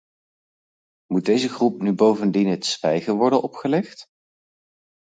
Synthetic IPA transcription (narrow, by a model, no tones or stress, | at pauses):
mud̚dejzəχrupnybowvəndinɦətsʋɛjχəɹʋɔɹdənɔpχəlɛχt